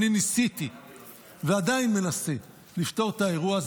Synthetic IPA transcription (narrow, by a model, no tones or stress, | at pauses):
ninisit̪i | vead̪ainme̞nase | lift̪o̞ʁt̪ae̞ʁuaz